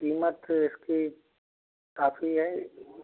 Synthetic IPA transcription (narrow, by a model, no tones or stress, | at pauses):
kiːmət̪ɪski | kaːfiɦɛ